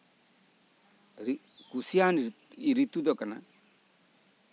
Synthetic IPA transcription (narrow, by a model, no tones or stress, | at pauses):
ɾi | kusjaːn | iɾit̪ud̪ɔkana